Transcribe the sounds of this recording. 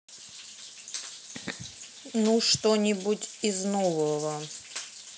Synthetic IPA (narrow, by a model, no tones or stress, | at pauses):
nuʂt̪onʲɪbutʲiznovəvə